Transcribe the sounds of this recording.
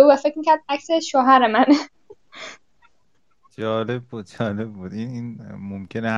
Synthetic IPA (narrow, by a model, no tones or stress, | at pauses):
uvæfecɾmiːcʰʲæɾd̪̚ækseʃoɦæɾemæn | d͡ʒɒːle̞b̚ːuːd̪̥̚d͡ʒɒːle̞bːuːd̪ʔininmomcʰene